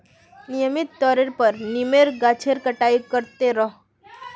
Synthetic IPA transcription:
nijəmit̪ːɔɾeɾpəɾnimeɾɡat͡ɕʰeɾkəʈaikəɾt̪eɾɔ

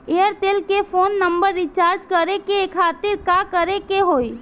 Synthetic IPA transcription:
ejəɾt̪eːlkepʰoːnːəmbəɾːit͡ʃaːɾd͡ʒkəɾekekʰaːt̪ɪɾkakəɾekeɦoːi

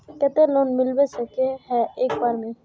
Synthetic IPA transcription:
kɛt̪eloːnmɪlbesəkeɦɛeːk̚baːɾmẽ

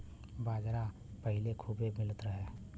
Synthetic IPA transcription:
baːd͡ʒɾa | pəɦɪlekʰuːbemɪlət̪ɾəɦeː

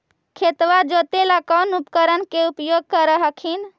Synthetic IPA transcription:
kʰet̪ʋad͡ʒot̪elakɔnupkəɾənkeupjoɡ̚kəɾəɦəkʰin

